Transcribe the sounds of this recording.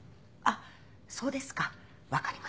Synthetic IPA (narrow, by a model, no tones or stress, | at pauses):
a | so̞ːd̪e̞sɨ̥ka | βakaɾʲima